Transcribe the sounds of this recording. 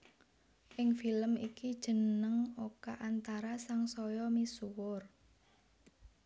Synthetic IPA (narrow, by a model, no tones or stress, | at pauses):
ʔɪŋfiləmikid̥ʒ̥ə̤nəŋokaʔant̪aɾasaŋsɔjɔmisuwʊr